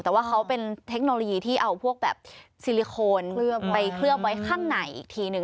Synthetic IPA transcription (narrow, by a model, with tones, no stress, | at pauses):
t̪ɛː˨˩waː˥˩kʰa˦˥wpe˧nt̪ʰe˦˥k̚no˧lo˧jiː˧t̪ʰiː˥˩ʔa˧wpʰu˥˩ək̚bɛ̰ː˨˩p̚si˧li˧kʰoː˧npa˧jkʰlɯ˥˩əp̚wa˦˥jkʰaː˥˩ŋna˨˩jʔḭː˨˩k̚t̪ʰiː˧nɯ˧ŋ